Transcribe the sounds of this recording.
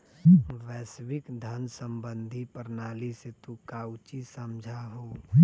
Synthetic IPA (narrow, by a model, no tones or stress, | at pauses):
ʋɛːswɪkd̪ʱənsəmbə̃nd̪ʱipəɾnaːliset̪ukaːwt͡ʃisəmd͡ʒʱaɦoː